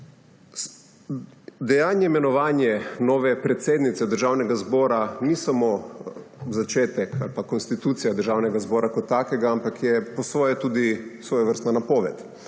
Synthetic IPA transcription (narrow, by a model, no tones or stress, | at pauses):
d̪ɛjaːnjɛimɛnɔʋaːnjɛnɔːʋɛpɾɛt̪seːd̪nit̪sɛd̪əɾʒawnɛɡazbɔːɾanisamo | zat͡ʃeːt̪ɛka̰lpakɔnst̪it̪uːt̪sijad̪əɾʒaːwnɛɡazbɔːɾakɔt̪ːaːkɛɡaampakjɛpɔsʋɔːjɛt̪uːd̪isʋɔːjaʋəɾst̪nanapɔːʋɛt̪